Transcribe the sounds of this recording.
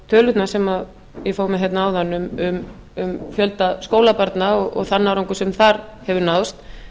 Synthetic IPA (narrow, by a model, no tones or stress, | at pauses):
t̪ʰœːlʏt̪nasɛmað | jɛfoːwmɪɦɛt̪naaːwðanːʏmʏm | ʏmfjœlt̪askoːwlapaɾt̪naɔɣɔ̰ɣθanːaɾoŋkʏ̥sɛmθaɾhɛvʏnawst̪